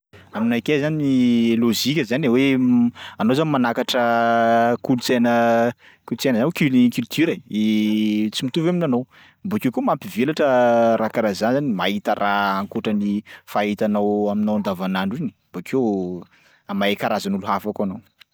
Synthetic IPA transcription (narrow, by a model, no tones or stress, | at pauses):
aminajkezaninilozikʲəzanawe | anowzanimanakaʈ͡ʂə | kulut͡senə | kulut͡senəzankylikylt̪yɾait͡simit̪uveaminanow | mbukewkumampivelaʈ͡ʂəɾakaɾazanzanimait̪ərʔaaŋkoʈ͡ʂənifait̪anawaminawand̪avanaɳɖ͡ʐini̥mbokʰew | amaekaɾazanuluɦafakanow